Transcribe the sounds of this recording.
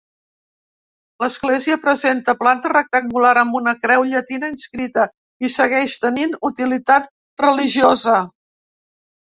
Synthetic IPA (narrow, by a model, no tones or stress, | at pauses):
ləzɣleziəpɾəzent̪əplant̪ərək̚t̪əŋɡulaɾəmbunəkɾɛwʎət̪inəinskɾit̪ə | isəɣɛʃt̪əninut̪ilit̪at̪̚ | rəliʒiozə